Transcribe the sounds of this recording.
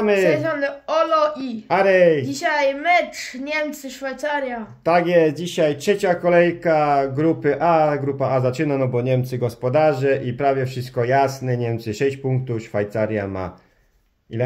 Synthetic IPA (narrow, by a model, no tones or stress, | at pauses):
mɘɛzɔnɛɔlɔʔiaɾɛjd͡ʑiɕajmɛtʂɲɛmt̪sɘʂfajt̪saɾjat̪aɡjɛst̪̚d͡ʑiɕajtʂɛt͡ɕakɔlɛjkaɡɾupɘʔaɡɾupaazat͡ʂɘnanɔbɔɲɛmt̪sɘɡɔspɔd̪aʐɛʔipɾavʲjɛfʂɘst̪̚kɔjasnɛɲɛmt̪sɘʂɛɕt͡ɕpuŋk̚t̪ufʂfajt̪saɾʲja̰ma̰ | ilɛ